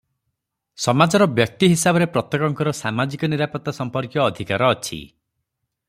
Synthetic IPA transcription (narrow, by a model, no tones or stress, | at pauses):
sɔmad͡ʒɔɾɔbjɔk̚t̪iɦisabɔɾepɾɔt̪jɔkɔŋkɔɾɔsamad͡ʒikɔniɾapɔt̪ːasɔmpɔɾkjɔːd̪ʱikaɾɔːt͡ʃʰḭ